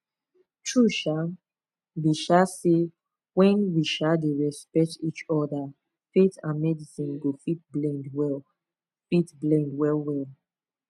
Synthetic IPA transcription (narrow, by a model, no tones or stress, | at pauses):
tʰɹuʃa | biʃase | wɛ̃nwiʃadeɹɛspɛk̚tit͡ʃɔda | fetãnmɛdisĩnɡofit̚blɛ̃ndwɛl | fitblɛ̃ndwɛlwɛl